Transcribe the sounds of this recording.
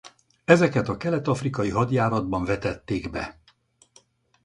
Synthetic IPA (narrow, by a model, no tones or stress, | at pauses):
ɛzɛkɛt̪ɒkɛlɛt̪ɒfrikɒjiɦɒd̪jaːɾɒd̪̚bɒɱvɛt̪ɛt̪ːeːɡbɛ̰